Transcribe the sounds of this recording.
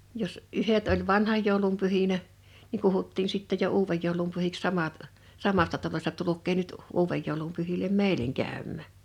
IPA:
jos ʔyhet olʲ ʋɑnhɑj joˑulum pyhinæ niŋ kuhutːiːn sitːej̆ jo uːʋej joˑulum pyhiks sɑmɑt sɑmɑstɑ tɑlosʲtɑ tulukˑeː nyt uːʋej joˑulum pyhilem meˑileŋ kæˑymːæˑ

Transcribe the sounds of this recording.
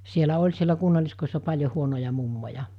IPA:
sielæ olʲ sielæ kunːɑliskoisːɑ pɑlʲjo huonojɑ mumːojɑ

